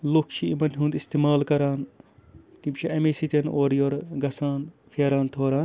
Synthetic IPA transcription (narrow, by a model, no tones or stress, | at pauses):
lokʰt͡ʃʰiimɐnɦũːnd̪ist̪iːmaːlkɐɾaːn | t̪imt͡ʃʰiʔɐmesit̪enoːɾjoːɾɡɐsaːn | fʰeːɾaːnt̪ʰoːɾaːn